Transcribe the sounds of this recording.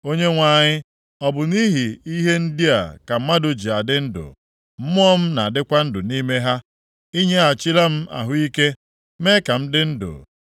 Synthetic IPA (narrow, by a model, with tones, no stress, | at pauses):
o˦ɲe˦ŋʷa˨ɲɪ˦ | ɔ˨bʊ˨ni˦ɦi˨i˦ɦe˦n̩˦di˦a˨ka˨m̩˦ma˦do˨d͡ʒi˨a˨dɪ˦n̩˦dʊ̰˨ | m̩˦mʊ˦ɔ˦m̩˦na˨a˨dɪ˦kʷa˦n̩˦dʊ˨ni˦me˦ɦa˦ | i˦ɲe˦a˨t͡ʃɪ˦la˦m̩˦a̰˨ɦʊ˦i˦ke˦ | me˦ka˨m̩˦dɪ˦n̩˦dʊ̰˨